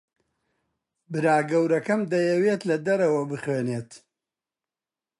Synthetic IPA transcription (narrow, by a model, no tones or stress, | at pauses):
bɨɾaːɡɐwɾɐkɐmd̪ɐjɛweːt̪lɐd̪ɐɾɐwɐbɨχweːneːt̪